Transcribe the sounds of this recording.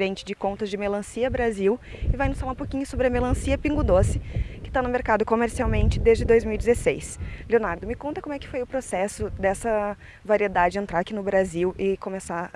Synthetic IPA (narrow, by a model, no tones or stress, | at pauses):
ɾẽnt͡ʃɪd͡ʒɪkõnt̪ɐzd͡ʒɪmelɐ̃siɐbɾaziwɪvajnʊsfalãũp̬okĩɲʊsobɾɪɐmelɐ̃siɐpĩŋɡʊd̪osɪ̥kɪ̥t̪anʊmeɾkad̪ʊkomeɾsiawmẽnt͡ʃɪd̪ezd͡ʒɪd̪ojzmiwid͡ʒɪzesejsleonaɾd̪ʊmɪkõnt̪ɐkõmʊɛkɪ̥fojʊpɾosɛsʊd̪ɛsɐ | vaɾied̪ad͡ʒɪd͡ʒɪẽnt̪ɾaɾakinʊbɾaziwʔɪkomesa